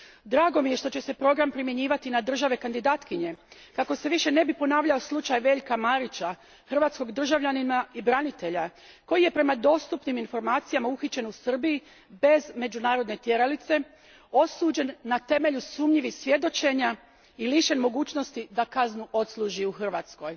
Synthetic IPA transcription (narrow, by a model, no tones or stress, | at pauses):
d̪ɾaːɡo̞mije̞ʃt̪o̞t͡ɕe̞se̞pɾo̞ɡɾampɾimje̞ɲiːʋat̪inad̪r̩ʒaʋe̞kand̪id̪aːt̪kiɲe̞ | kako̞se̞ʋiʃe̞ne̞bipo̞naːʋʎao̞slˠut͡ʃajʋe̞ːʎkamaɾit͡ɕa | xr̩ʋaːt̪sko̞ɡd̪r̩ʒaʋʎaninaibɾanit̪e̞ʎa | ko̞jije̞pɾe̞mad̪o̞ːst̪upniminfo̞ɾmaːt̪sijamauxit͡ɕe̞nusr̩biji | be̞zme̞d͡ʑunaːɾo̞d̪ne̞t̪je̞ɾalit̪se̞ | o̞suːd͡ʑe̞nːat̪e̞me̞ʎusuːmʎiʋixsʋje̞d̪o̞t͡ɕe̞ɲa | iliʃe̞nmo̞ɡuːt͡ɕno̞st̪id̪akaznuʔo̞t̪slˠuːʒiuxr̩ʋat̪sko̞j